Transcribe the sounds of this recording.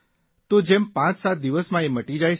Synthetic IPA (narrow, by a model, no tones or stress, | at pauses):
t̪od͡ʒempãt͡ʃsat̪̚d̪iʋəsmãeməʈid͡ʒajʰ